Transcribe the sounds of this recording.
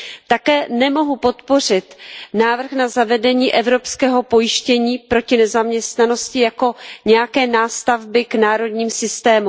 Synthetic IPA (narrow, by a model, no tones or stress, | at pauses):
t̪akɛːnɛmo̞ɦupo̞t̪po̞r̝ɪt̪naːvr̩xnazavɛdɛɲiːʔɛvɾo̞pskɛːɦo̞pojɪʃcɛɲiːpɾo̞cɪnɛzamɲɛst̪nano̞scɪjako̞ɲɛjakɛːnaːst̪avbɪknaːɾo̞dɲiːmsɪst̪ɛːmu